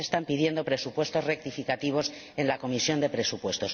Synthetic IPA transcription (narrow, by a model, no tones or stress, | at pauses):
est̪ampið̞je̞nd̪o̞pɾe̞supwe̞st̪o̞zre̞k̚t̪ifikat̪iβ̞o̞s | e̞nlako̞misjo̞nd̪e̞pɾe̞supwe̞st̪o̞s